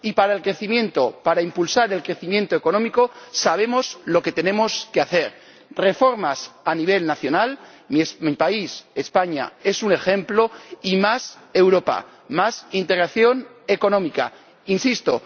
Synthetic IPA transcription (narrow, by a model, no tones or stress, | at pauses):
ipaɾaelkɾe̞θimjẽ̞nt̪opaɾaimpulsaɾe̞lkɾe̞θimjẽ̞nt̪oeko̞nõ̞mikosaβ̞e̞mo̞zlo̞ke̞t̪e̞nẽ̞mo̞skeaθe̞ɾ | re̞fo̞ɾmasaniβ̞e̞lnaθjo̞nal | mismipaise̞spaɲa̰e̞sune̞xe̞mplo̞imase̞wɾo̞pa̰ | masint̪e̞ɣɾaθjo̞ne̞ko̞nõmika̰ | insist̪o̞̰